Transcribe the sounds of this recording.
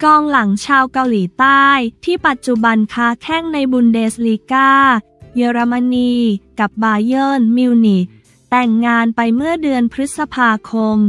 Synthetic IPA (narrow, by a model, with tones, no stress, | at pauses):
kɔː˧ŋla˩˦ŋt͡ɕʰaː˧wka˧wliː˩˦t̪aː˥˩jt̪ʰiː˥˩pa˨˩t̪̚t͡ɕu˨˩ba˧nkʰaː˦˥kʰɛ˥˩ŋna˧jbu˧ndeː˧sliː˧kaː˥˩ | jeː˧ɾa˧ma˧niː˧ka˨˩p̚baː˧jɤː˥˩nmi˧wni˨˩˦ | t̪ɛ˨˩ŋːaː˧npa˧jmɯ˥˩ədɯ˧ənpʰɾɯ˦˥t̪̚sa˧pʰaː˧kʰo˧m